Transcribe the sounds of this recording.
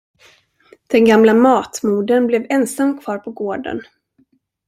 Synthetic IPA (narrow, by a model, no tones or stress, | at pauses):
d̪̥ɛnɡamlamɑːt̪muːd̪ənblɛvɛnsamːkʰv̥ɑːɾpʰɔɡoːɖə̰n